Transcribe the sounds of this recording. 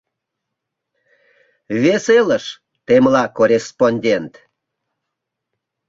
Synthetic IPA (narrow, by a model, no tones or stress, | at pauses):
βeseləʃ | t̪emlɑkorʲesponʲdʲent̪